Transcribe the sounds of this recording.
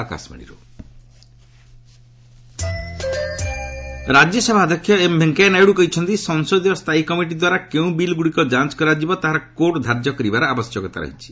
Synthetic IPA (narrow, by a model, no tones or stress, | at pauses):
aka̰smḭɽ̃ḭɾṵ | ɾad͡ʒjɔsɔbʱad̪ʱɔkʰːjɔembʱeŋkanajɽukɔɦit͡ʃʰɔnt̪isɔŋsod̪ijɔst̪ʰaikɔmiʈ̬id̪waɾakeũbilɡuɽikɔd͡ʒant͡ʃkɔɾad͡ʒibɔt̪aɦaɾɔkoʈd̪ʱaɾd͡ʒjɔkɔɾibaɾɔabɔsjɔkɔt̪a̰ɾɔ̰ɦit͡ʃʰi̥